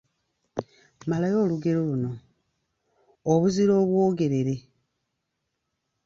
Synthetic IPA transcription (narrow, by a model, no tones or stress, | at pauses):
malajo̞ːluɡe̞ɾoluno̞ | βuziɾo̞ːβwo̞ːɡe̞ɾe̞ɾe̞